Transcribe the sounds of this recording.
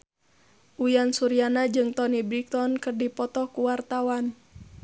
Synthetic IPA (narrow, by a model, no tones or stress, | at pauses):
ʔujansuɾianad͡ʒɨŋt̪ɔnibɾik̚t̪ɔnkɨrdipɔt̪ɔkuwart̪awan